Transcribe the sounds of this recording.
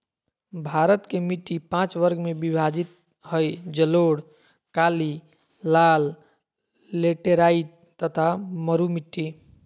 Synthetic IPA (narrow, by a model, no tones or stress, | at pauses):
bʱaɾət̪kemiʈːipãt͡ʃʋəɾɡmebibʱad͡ʒit̪ | həjd͡ʒəloɽ | kaliː | alː | eʈeɾaiʈ | t̪ət̪ʰaməɾumiʈːi